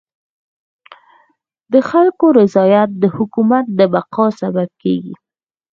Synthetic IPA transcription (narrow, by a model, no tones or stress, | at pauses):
d̪̥əxalkoɾɪzɑjat̪̚d̪əhʊkumat̪̚d̪əbaqɑsabab̚kḛɡḭ